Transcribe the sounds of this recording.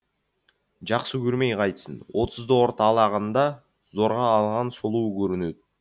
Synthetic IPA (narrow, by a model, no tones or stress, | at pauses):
d͡ʒɑqsəkyɾmejqʰɑjt̪səno̞t̪ʊzd̪ooɾt̪ɑlˠɑʁɑnd̪ɑ | zo̞ɾʁɑːlˠʁɑnsolˠuːkɵɾynøt̪̚